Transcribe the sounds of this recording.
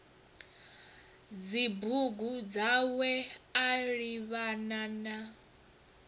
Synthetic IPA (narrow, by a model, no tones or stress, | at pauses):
d͡zibuɡud͡zawɛaɺiβanana